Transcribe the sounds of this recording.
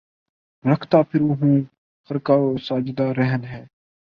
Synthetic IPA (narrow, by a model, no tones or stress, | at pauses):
ɾəkʰt̪aːpʰɪɾʊɦũː | xəɾkaːsaːd͡ʒd̪aːɾɛɦənɦɛː